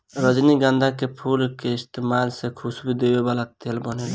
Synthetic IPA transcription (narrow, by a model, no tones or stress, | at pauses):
ɾʌd͡ʒniɡand̪akepʰulkeɪst̪emalsekʰusbid̪ewebalat̪ːelbɔnel